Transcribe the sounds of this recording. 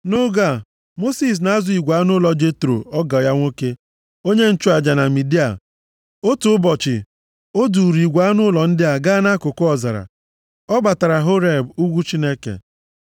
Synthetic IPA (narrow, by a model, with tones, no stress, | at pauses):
nʊ˦ɡa˦˨ | mo˦si˨s̬na˨a˦zʊ˨i˨ɡʷa˨˦nʊ˦lɔ˨d͡ʒe˦tɾo̰˨ɔ˦ɡa˨ja˦ŋʷo˦ke˦ | o˦ɲe˦n̩˦t͡ʃu˦a˨d͡ʒa˨na˨mi˨di˦a̰˨ | o˦tʊ˨ʊ˦bɔ˨t͡ʃɪ̰˨ | o˦du˨ɾi˨ɡʷa˨˦nʊ˦lɔ˨n̩˦dɪ˦a˨ɡa˦na˦kʊ˨kʊ˦ɔ˨za˨ɾa̰˨ | ɔ˦ba˨ta˨ɾa˨ɦʊ˦ɾe˨bu˦ɡʷu˦t͡ʃi˦ne˦kḛ˨